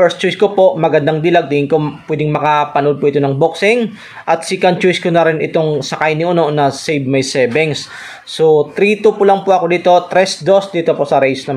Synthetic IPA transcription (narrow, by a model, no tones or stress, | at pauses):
fɛɹst̪̚t͡ʃojskopo̞ʔmɐɡɐnd̪aŋd̪ɪlaɡ̚d̪ihɪŋkopwɛd̪ɪŋmɐkapɐnod̪̚pʊʔɪt̪o̞nɐŋboksɪŋ | ʔɐt̪̚sɪkɐnt͡ʃojskonɐɾɪnʔɪt̪oŋsɐkajnɪʔononɐsejbmɐjsɛbɛŋsː | ot̪ɾit̪upʊlɐŋpʊʔɐko̞d̪iːt̪o̞t̪ɾɛsd̪o̞sd̪iːt̪o̞posɐɾejsnɐ